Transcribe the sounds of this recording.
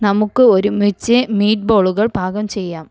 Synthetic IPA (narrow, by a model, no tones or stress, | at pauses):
nɐmukːɨo̞ɾumit͡ɕːɨmiːʈ̚boːɭuɣɐɭbʱaːɡɐmt͡ɕe̞jːaːm